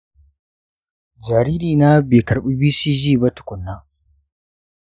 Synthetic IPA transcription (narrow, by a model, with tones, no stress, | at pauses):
d͡ʒaː˨ɾi˦ɾiː˨na˦beː˨kɐ˨ɾɓu˦biː˦siː˦d͡ʒiː˦˨ba˦tʊ̥˨kʷʊ˨nːa˦